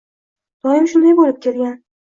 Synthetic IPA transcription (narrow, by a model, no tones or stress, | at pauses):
d̪̥ɒjɪmʃʊnd̪ajbolɪp̚kʲʰe̞lɡʲan